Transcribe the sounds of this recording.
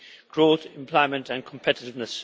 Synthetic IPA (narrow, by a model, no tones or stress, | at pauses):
ɡ̥ɹoʊθɪ̃mpʰl̥ɔɪmə̃ntə̃nkʰə̃m̩pʰɛtɪtɪvnəs